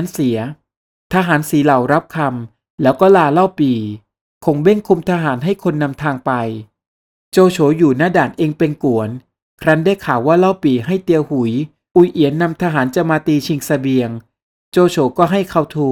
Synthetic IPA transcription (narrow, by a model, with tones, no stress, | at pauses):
nsi˨˩˦ɐ | t̪ʰaː˧ɦaː˩˦nsiː˨˩˦la˨˩wɾa˦˥p̚kʰa˧m | lɛː˦˥wkɔː˥˩laː˧la˥˩wpiː˨˩ | kʰo˧ŋbe˥˩ŋkʰu˧mt̪ʰaː˧ɦaː˩˦nɦa˥˩jkʰo˧nːa˧mt̪ʰaː˧ŋpa˧j | t͡ɕoː˧t͡ɕʰoː˨˦juː˨˩naː˥˩daː˨˩nʔeː˧ŋpe˧nku˩˦ən | kʰɾa˦˥nda˥˩jkʰaː˨˩˦waː˥˩la˥˩wpiː˨˩ɦa˥˩jt̪i˧əwhu˨˩˦j | ʔu˨˩jʔi˩˦ənːa˧mt̪ʰaː˧ɦaː˩˦nt͡ɕa˨˩maː˧t̪iː˧t͡ɕʰi˧ŋsa˧bi˧əŋ | t͡ɕoː˧t͡ɕʰoː˨˩˦kɔː˥˩ɦa˥˩jkʰa˧˩wt̪ʰuː˧˩